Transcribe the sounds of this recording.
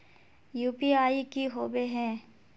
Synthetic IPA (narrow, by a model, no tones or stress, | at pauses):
juːpiaːikiɦoːbeɦɛ̃ː